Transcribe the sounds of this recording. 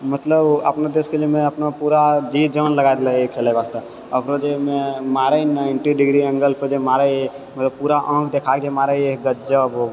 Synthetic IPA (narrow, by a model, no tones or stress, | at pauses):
mət̪ləbə̰pnad̪eskeliemẽəpnapuɾad͡ʒid͡ʒənləɡad̪ləekʰelabast̪a | əkɾod͡ʒememaɾəinãɪɳʈiɖiɡɾiə̃ŋɡəlpəd͡ʒemaɾə | mət̪ləb̚puɾaʔə̃kʰd̪ekʰakd͡ʒemaɾəeɡət̪d͡ʒəboɡ